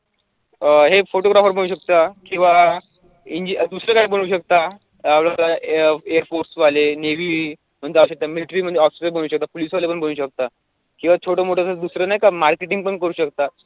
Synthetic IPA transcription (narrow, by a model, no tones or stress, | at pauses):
əɦefoʈoɡɾafəɾbəñuːɕək̚t̪akĩw̃ʋa | iɲd͡ʑid̪usɾəkaɦiːbol̃uːɕək̚t̪a | aʋlataeəɾfoɾsʋaleneʋiː | m̤əɳd͡zeauɕək̚t̪amiliʈɾiːm̤əɳd͡zeɔfsɾeboɽ̃uːɕək̚t̪apoliːsʋalepəɳboñuːɕək̚t̪a | kĩw̃ʋat͡ɕʰoʈəːmoʈʰəsəd̪usɾənaɦjkamaɾkeʈiŋɡ̚pəɳkəɾuːɕəkt̪a